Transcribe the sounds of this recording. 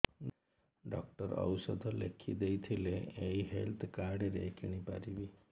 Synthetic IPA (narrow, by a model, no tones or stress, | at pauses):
ɖɔ̰k̚ʈəɾə̰wsəd̪ʱɔlḛkʰḭd̪ejt̪ʰileeiɦelt̪ʰkaɾɖeɾekʰiɽ̃ipa̰ɾibi